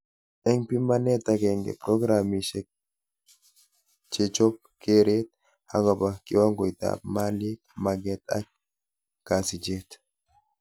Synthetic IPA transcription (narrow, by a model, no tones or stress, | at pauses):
ɛŋpimanet̪akeŋɡḛpɾoɡɾamiʃe | t͡ʃet͡ʃɔp̚keɾet̪̚ | haɡabakḭwaŋɡɔjt̪a̰pmalikmaɡɛt̪a̰k̚ | kasid͡ʒet̪